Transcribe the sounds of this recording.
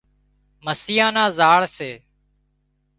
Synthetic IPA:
məsiːjãːnãːzaːɭseː

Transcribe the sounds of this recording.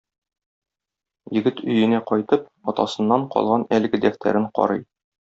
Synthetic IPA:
jɘ̆ɡɘt̪ʰɵ̆jɘ̆næqɒjt̪ɤp̚ | ɒt̪ɑsɤ̆nːɑɴqɒ̰lˠʁɑnælɘ̆ɡɘd̪æft̪ʰæ̰ɾɘɴqɒ̰ɾɤj

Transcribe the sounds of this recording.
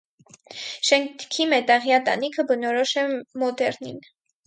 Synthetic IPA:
ʃɛŋkʰimɛt̪ɑʁjɑt̪ɑ̰nikʰəbənɔɾɔʃɛmɔd̪ɛɾnḭn

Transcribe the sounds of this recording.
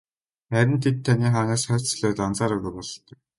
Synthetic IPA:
χæɾʲɪ̆nt̪ʰet̪ʰːaniːχaːnaːsχœːt͡sɮœːt̪ɔnt͡saːɾɵɣɘ̆rpɔɮɞ̆t̪ə̆k̚

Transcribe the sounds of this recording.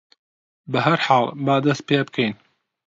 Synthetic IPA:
bɐɦɐɾħaːlˠbaːd̪ɐst̪̚peeb̚kʰɛjn

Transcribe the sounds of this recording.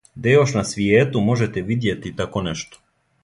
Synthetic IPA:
d̪ajoʃnasʋijeːt̪umo̞ʒɛt̪ɛʋid̪jet̪it̪akonɛʃt̪o̥

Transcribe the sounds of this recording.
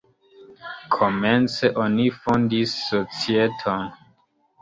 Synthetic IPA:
kʰoment͡se̞ʔonifondisːot͡sietʰon

